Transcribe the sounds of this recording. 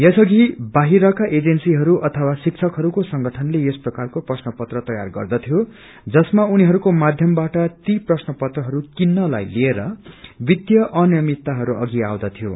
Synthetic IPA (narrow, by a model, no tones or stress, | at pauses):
jʌsʌɡibaɦiɾʌkaʔed͡zensiɦʌɾuʔʌt̪ʰʌwasik̚t͡sʰʌkɦʌɾukosʌŋɡʌʈʰʌnlejesprʌkarkoprʌsnʌpʌt̪rʌt̪ʌja̰rɡʌ̰rd̪ʌt̪ʰjo | d͡zʌsmauniɦʌɾukomad̪ʱjʌmbaʈʌt̪iprʌsnʌpʌt̪rʌɦʌɾukinːʌla̰jlieɾʌbid̪jʌʔʌnjʌmit̪ːaɦʌɾuʔʌ̰ɡia̰wd̪ʌt̪ʰijo̰